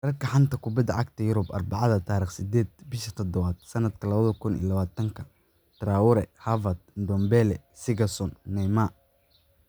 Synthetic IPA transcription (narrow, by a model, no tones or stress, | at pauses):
d̥ɐrkʰɐħɑnt̪ʰɐkʰʊbɐd̪ɐʕɑɡ̚t̪ʰɐjʊɾʊbɐ̰rbɑʕɑðɐt̪ʰaːɾiːχsɪd̪ɛːd̪̚bɪʃɐt̪ʰɔd̪ɔβɐd̪̥̚sɐnɐd̪kʰɐlɐβɐðɐkʰʊnḭlɐβaːt̪ʰɐŋkʰɐ | d̪̥raːwʊɾɛhɐvɐd̪̚d̪ɔmbɛlɛsɪɡɐsɔnːɛjma